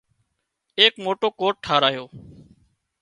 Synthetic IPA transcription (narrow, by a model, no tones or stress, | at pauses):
eːkmoːʈoːkoːʈ̚ʈʰːaːɾaːjoː